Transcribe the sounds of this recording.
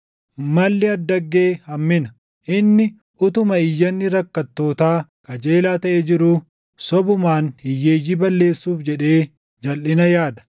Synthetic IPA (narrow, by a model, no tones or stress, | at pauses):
mɐlːɪɐd̪ːɐɡːe̞ːhɐmːɪnɐ | ʔɪnːɪ | ʔʊt̪ʊmɐɪjːɐnːɪɾɐkːɐt̪ːo̞ːt̪aːkɐd͡ʒeːlaːt̪ɐʔeːd͡ʒɪɾu | sɔbʊmaːnɪjːeːjːiːbɐlːe̞ːsːuːfd͡ʒɛᶑe̞ː | d͡ʒɐlʔɪnɐjaːd̪ɐ̥